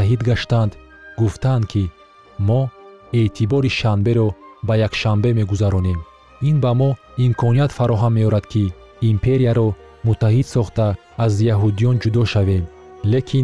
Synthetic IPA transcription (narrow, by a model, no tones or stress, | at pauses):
aɦid̪ɡaʃt̪and̪ | ɡuft̪ʰand̪kʰi | mɔ | e̞t̪ʰibɔɾiʃanbe̞ɾɔbajakʃanbe̞me̞ɡuzaɾɔne̞m | inbamɔimkʰɔniat̪faɾɔɦamːe̞ɔɾad̪̥kʰiː | mpʰe̞ɾijaɾɔ | mut̪ʰːaɦid̪̥sɔχt̪aː | zjaɦud̪ijɔnd͡ʒud̪ɔʃave̞m | le̞kʰin